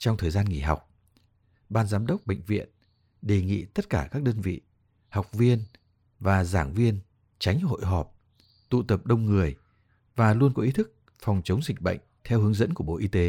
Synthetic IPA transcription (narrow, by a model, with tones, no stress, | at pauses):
t͡ɕɔ˧wŋ͡mt̪ʰəː˨˩jzaː˧nŋḭ˨˩ɦa˨˩wk͡p̚ | ɓaː˧nzaː˨˦mɗə˦˥wk͡p̚ɓə̰˧˨jŋ̟vḭ˧˨ən | ɗe˨˩ŋḭ˧˨t̪ə˦˥t̚kaː˧˩kaː˦˥k̚ɗəː˧nvḭ˧˨ | ha˨˩wk͡p̚vi˧ən | vaː˨˩zaː˧˩ŋvi˧ən | t͡ɕa˨˦jŋ̟ho̰˧˨jɦɔ˨˩p̚ | t̪ṵ˧˨t̪ə˨˩p̚ɗə˧wŋ͡mŋɨ˨˩əj | vaː˨˩lu˧ənkɔ˨˦ʔi˨˦t̪ʰɨ˦˥k̚ | fɔ˨˩wŋ͡mt͡ɕə˨˦wŋ͡mzï˨˩k̟̚ɓə̰˧˨jŋ̟t̪ʰɛ˧whɨ˨˦əŋzə̰˧˥nku˧˩əɓo̰˧˨ʔi˧t̪e˨˦